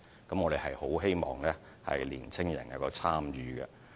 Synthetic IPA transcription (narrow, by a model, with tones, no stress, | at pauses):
kɐ˨˥mŋɔː˨˧ɾe˨jɦɐ˨jho˨˥wɦe˥jmɔː˨˩ŋlɛː˥ | hɐ̰˨jliː˨˩nt͡sʰɪ˥ŋjɐ̰˨˩njɐ˨˧wkɔː˧t͡sʰaː˥mjyː˨˧ɡɐ̰˧